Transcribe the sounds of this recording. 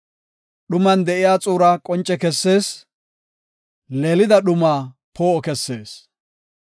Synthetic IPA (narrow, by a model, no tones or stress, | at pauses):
ɗʊmɐnd̪ɛʔɪjaːt͡sʼuːɾaːkʼɔnt͡ʃʼːɛkɛsːe̞ːs | leːlɪd̪ɐɗʊmaːpʰoːɔkɛsːeːs